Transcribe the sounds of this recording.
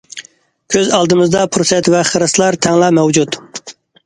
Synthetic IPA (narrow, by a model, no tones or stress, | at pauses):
kʲʰøzɑlˠd̪ɨmɨzd̪ɑpʰɾosɛt̪vɛχəɾɨslˠɑɾt̪ʰɛŋlˠɑmɛwd͡ʒut̪